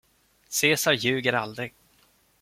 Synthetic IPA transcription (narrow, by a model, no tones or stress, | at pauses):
seːsaɾjʉ̟ːɡəɾald̪ɾɪɡ